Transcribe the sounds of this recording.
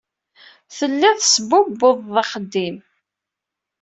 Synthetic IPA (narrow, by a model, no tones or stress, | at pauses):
θəlːæθsəbʊbːoðˤːɑχəd̪ːim